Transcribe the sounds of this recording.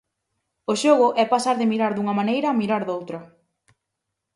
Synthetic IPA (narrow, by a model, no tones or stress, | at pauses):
oʃoɣ̞ʊʔɛpasaɾðɪmiɾaɾðuŋɐmanejɾɐːmiɾaɾðowt̪ɾɐ